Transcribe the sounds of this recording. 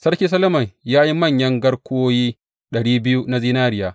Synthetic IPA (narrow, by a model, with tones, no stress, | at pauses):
sɐ˦ɽkʲiː˦sɐ˦lɐ˦mɐ˨ɲjaː˦ji˦mɐ˦˨ɲjɐ˦ŋɡɐ˦ɽkʷoː˦jiː˦ | ɗɐ˨ɽiː˦bɪ˦ju˦na˦ziː˦naː˦ɾɪ˦˨jaː˦